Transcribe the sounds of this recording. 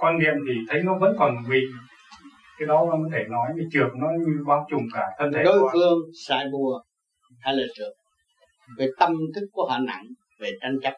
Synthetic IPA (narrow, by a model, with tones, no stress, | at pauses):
kwaː˧nɗi˧˨əmt̪ʰi˨˩t̪ʰə˨˦jnɔ˨˦və̰˧˥nkɔ˨˩n˩vḭ˨ | kaː˨˦jɗɔ˨˦mː˨˩kɔ˨˦t̪ʰe˧˩nɔ˨˦jt͡ɕɨ˨˩ək̚nɔ˨˦ɲɨ˧ɓaː˨˦wt͡ɕʊ˨˩ŋ͡mkaː˧˩t̪ʰə˧nt̪ʰe˨˦ɗo˨˦jfɨ˧əŋsa̰ː˧˨jɓu˨˩ə | h̪ʰaː˧jlə̰ː˧˩t͡ɕɨ̰˧˩əŋ̚ | vəː˨˦jt̪ə˧mt̪ɨ˦˥k̚ku˧˩əha̰ː˧˨na̰˧˨ŋ | ve˨˩t͡ɕa˧jŋ̟t͡ɕa˦˥p̚